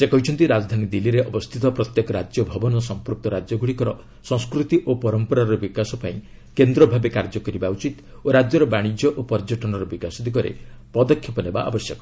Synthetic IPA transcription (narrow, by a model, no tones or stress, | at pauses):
sekɔɦit͡ʃʰɔnt̪iɾad͡ʒd̪ʱanid̪iliɾeʔɔbɔst̪ʰit̪ɔpɾɔt̪jekɔɾad͡ʒjɔbʱɔbɔnɔsɔmpɾuk̚t̪ɔɾad͡ʒjɔɡuɽikɔɾɔ | sɔ̃ŋ̃skɾut̪iʔopɔɾɔmpɔɾaɾɔbikasɔpaĩ | kend̪ɾɔbʱabekaɾd͡ʒɔkɔɾibaut͡ʃit̪ | oɾad͡ʒjɔɾɔbaɽ̃id͡ʒjɔʔopɔɾd͡ʒɔʈɔnɔɾɔbikasɔd̪ikɔɾḛ | pɔd̪ɔkʰjɔpɔneba̰ʔa̰bɔsjɔkɔ̥